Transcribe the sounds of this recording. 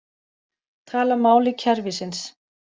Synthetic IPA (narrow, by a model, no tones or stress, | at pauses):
t̪ʰaːlamaːwlɪcʰɛɾvɪsɪns